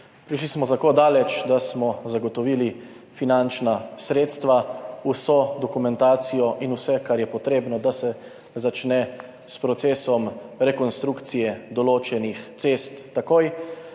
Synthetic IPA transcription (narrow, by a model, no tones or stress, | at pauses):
pɾiʃ̬lismɔt̪akoːd̪aːlɛt͡ʃd̪asmɔzaɡɔt̪ɔʋiːli | finant͡ʃnasɾeːt̪st̪ʋausod̪ɔkumɛnt̪aːt̪sijɔʔinusɛkaɾjɛpɔt̪ɾeːbnɔd̪asɛ | zat͡ʃnɛ | spɾɔt̪seːsɔmɾɛkɔnst̪ɾukt̪sijɛd̪ɔloːt͡ʃɛnixt̪sest̪ːakoj